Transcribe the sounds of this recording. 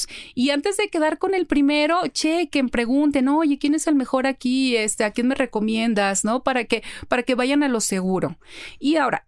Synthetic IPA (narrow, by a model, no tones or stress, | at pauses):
siant̪e̞zðe̞keðaɾko̞ne̞lpɾime̞ɾo̞t͡ʃekempɾe̞ɣunt̪̬e̞noʝe̞kje̞nese̞lme̞xo̞ɾakiest̪eakjenme̞re̞ko̞mjẽ̞nd̪asno̞paɾakepaɾake̞βaʝanalo̞se̞ɣ̞uɾo̞̰iao̞ɾa̰